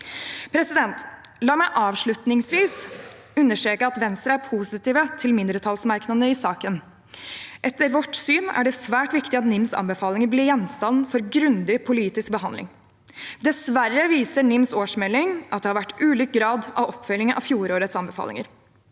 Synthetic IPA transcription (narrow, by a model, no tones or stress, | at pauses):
pʰɾɛsɪd̪ɛnt̪lɑːɾmæɪʔɑːʋʂɭʉt̪nɪŋsʋiːs | ʉnːəʂʈɾeːkəɑt̪ʋɛnst̪ɾəæɾpʰuːsɪt̪iːʋət̪ʰɪlmɪnd̪ɾət̪ʰɑlsmɑɾknɑd̪əɪsɑːkən | ʔɛt̪ːəɾʋɔʈsyːnæ̰ɖɛsʋæːʈʋɪkt̪ɪɑt̪nɪmsɑ̰nbəfɑːlɪŋəɾblɪɾjɛnst̪ɑnfɔɾɡɾʉnd̪ɪpʰʊliːt̪ɪsk̚bəɦɑnd̪lɪ̰ŋ | d̪ɛsʋærːəʋiːsəɳɪmsoːʂmɛlɪŋʔɑt̪̚d̪ɛhɑɾʋæʈːʉːlyːk̚ɡɾɑːd̪ɑ̰ʋɔpfœlːɪŋəʔɑ̰ʋfjuːɾoːɾət̪sɑnbəfɑ̰lɪ̰ŋə̰ɾ